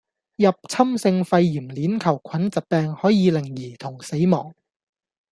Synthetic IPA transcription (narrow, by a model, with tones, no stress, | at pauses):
jɐ˨p̚t͡sʰɐ˥msɪ˧ŋfɐ˧jːiː˨˩mliː˨˥nkʰɐ˨˩wkʷʰɐ˨˥nt͡sɐ˨t̚pɛː˧ŋhɔː˨˥jiː˨˧lɪ˨˩ŋjiː˨˩t̪ʰʊ˨˩ŋse˨˥jmɔ̰ː˨˩ŋ